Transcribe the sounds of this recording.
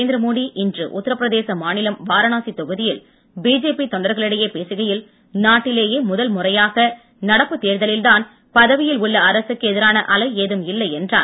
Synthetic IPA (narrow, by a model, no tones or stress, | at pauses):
eːnd̪ɾɐmoːɽiʔɪndrɯ̰ʔʊ̰t̪ːɐɾɐpːɪɾɐðeːsɐmaːnɪlɐmʋaːɾɐnaːsit̪ːɔɣɯðɪjɪl | biːd͡ʒeːpit̪ɔɳɖɐɾɣɐɭɪɽɐjeːpeːsɯɣɐjɪl | naːʈːɪleːjeːmʊðɐlmʊrɐjaːɣɐ | nɐɽɐpːɯt̪ːeːɾðɐlɪlðaːn | pɐðɐʋɪjɪlʊɭːɐɐɾɐsɯkːɯɛðɪɾaːnɐʔɐlɐɪeːðɯmɪlːɐɪɛndra̰ːn